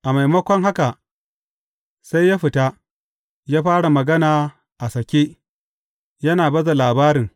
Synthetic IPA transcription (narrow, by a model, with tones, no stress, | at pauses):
ʔa˨ma˨jmɐ˦kʷɔ˦ŋɦa˦ka˨ | sa˦jːaː˦ɸɪ˨ta˦ | jaː˦ɸaː˦ɽa˨mɐ˨ɡɐ˦naː˨ | ʔa˨sɐ˨kʲeː˦ | jɐ˦naː˨bɐ˦za˨laː˨baː˦ɾɪ˨ŋ